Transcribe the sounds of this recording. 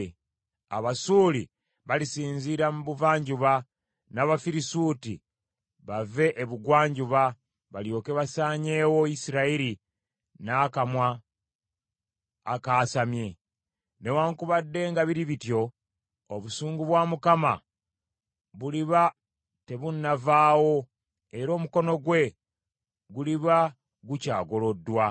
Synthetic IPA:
a̰βasuːli | βalisiːnziɾamuβuvaːɲɟuβa | naβafiɾisuːti | βave̞ʔeβuɡwaːɲɟuβa | βaljo̞ːkeβasaːɲe̞ːwoisiɾaiɾi | naːkamwa | kaːsamje̞ | ne̞waːŋkuβadːe̞ːŋɡaβiɾiβitjo̞ː | βusuːŋɡuβwaːmukama | βuliβa | te̞βunːavaːwo̞ | eɾo̞ːmuko̞no̞ɡwe̞ | ɡuliβa | ɡucaːɡo̞lo̞dːwa

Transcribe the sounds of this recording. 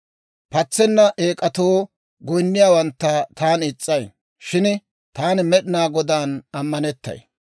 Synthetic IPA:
pɐt͡sːɛnːɐʔeːkʼɐt̪oː | ɡɔjnːɪjaːwɐnt̪ːɐt̪aːnɪt͡sʼːɐj | ʃɪn | t̪aːnɪmɛɗɪnaːɡɔd̪aːnɐmːɐnɛt̪ːɐ̰j

